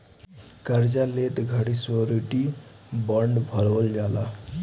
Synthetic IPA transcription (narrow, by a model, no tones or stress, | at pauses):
kəɾd͡ʑalet̪ɡʱaɽisʋəɾuʈi | bəɳɖbʱəɭʋəld͡ʑala̰